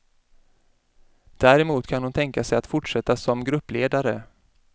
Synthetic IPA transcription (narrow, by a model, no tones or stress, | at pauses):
d̪̥æːɾɛmuːt̪kʰanhʊnt̪ʰɛŋkasɛjat̪fʊʈʂɛt̪ːasɔmɡɾɵpːleːd̪aɾə